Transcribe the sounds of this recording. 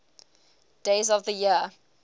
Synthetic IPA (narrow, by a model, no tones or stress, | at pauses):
d̥eɪzɔvðəjiə